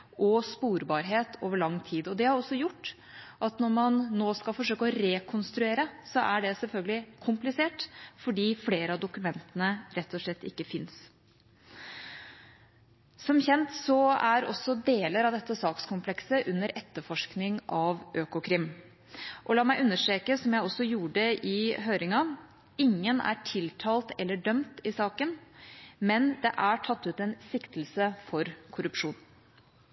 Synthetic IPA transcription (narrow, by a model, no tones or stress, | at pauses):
ʔɔspuːɾbɑːɾɦeːt̪ʰoːʋəɭɑŋːt̪ʰiːd̪ɔd̪ɛhɑɾɔsːɔjʊʈː | ʔɑt̪nɔɾmɑnːoːskɑlfɔʂøːkəɔɾeːkʰʊnst̪ɾʉeːɾəsɔʔæɖɛsɛlfœlɡəlɪkʰʊmplɪseːʈfɔɖiːfleːɾəɑd̪ʊkʉmɛnt̪ənəɾɛt̪ːɔʂlɛt̪ːɪ̰kːəfɪns | sɔmçɛnt̪sɔæɾɔ̰sːɔd̪eːləɾɑʋd̪ɛt̪ːəsɑːkskʰʊmpʰlɛksəʔʉnːəɾʔɛt̪ːəfɔʂknɪŋʔɑʋʔøːkʊkʰɾɪm | ʔɔlɑːmæɪʔʉnːəʂʈɾeːkəsɔmjæɪɔsːɔjuːɖəʔɪɦøːɾɪŋɑ | ɪŋːənæ̰ʈʰɪlt̪ʰɑːlt̪ɛlːəɖœmt̪ɪsɑːkənmɛnd̪ɛ̰ʔæʈʰɑt̪ːʉːt̪ɛnsɪkt̪l̩səfɔɾkʰʊɾʉpʂuːn